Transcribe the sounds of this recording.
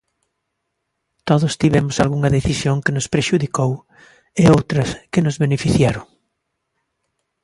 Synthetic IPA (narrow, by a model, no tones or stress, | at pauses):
t̪oðʊst̪iβɛmʊsalɣuŋɐðeθisjoŋkɪnʊspɾeʃuðikow | eowt̪ɾɐskɪnʊzβenefiθjaɾʊŋ